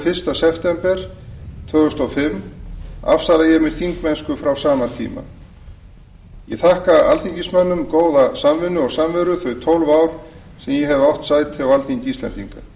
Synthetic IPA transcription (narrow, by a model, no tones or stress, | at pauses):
fɪr̥st̪asɛft̪ɛmpɛɾ̥t̪ʰvœːɣʏst̪ɔfɪmː | a̰fsalajɛmɪɾ̥θiŋkmɛnskʏfɾawsaːmat̪ʰḭːma̰ | jɛθahkaa̰lθiɲcismanːʏmkoːwðasamvɪnːʏɔɣsamvɛɾʏθœɥjt̪ʰowlvaːwɾ̥ | sɛmjɛɦɛvawht̪saːjt̪ʰɪawalθiɲciːst̪lɛ̰nt̪ḭŋka